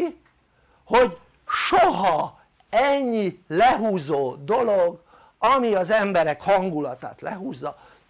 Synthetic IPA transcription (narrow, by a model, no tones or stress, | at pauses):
ho̞ɟ | ʃoɦɒ | ɛɲːilɛɦuːzoːd̪o̞loɡ | ɒmiɒzɛmbɛɾɛkhɒŋɡulɒt̪a̰ːt̪lɛɦuːzːɒ